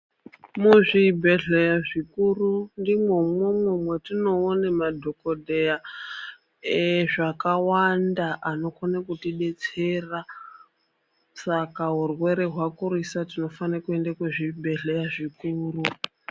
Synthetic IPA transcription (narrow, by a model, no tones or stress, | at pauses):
muʐibʱe̞ɮejaʐikurundimwomwemwumwetino̞ːnemadʱokodʱeja | eʐakawandaʔano̞konakutiɗe̞t͡sera | sakaɦurwe̞ɾeɦwakuɾisatino̞fanakue̞ndakweʐibʱe̞ɮejaʐikuːru